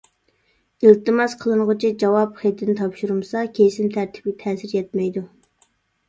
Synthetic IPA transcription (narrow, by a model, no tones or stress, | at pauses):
ilt̪ɨmɑsqʰəlˠɨɴʁʊt͡ʃʰid͡ʒɑwɑpχet̪ːɪnɪt̪ʰɑpʃuɾumsɑkʲʰesɪmt̪ʰæɾt̪ʰɪ̥p̚ɡʲɛt̪ʰɛːsɪɾjɛt̪̚mɛjd̪u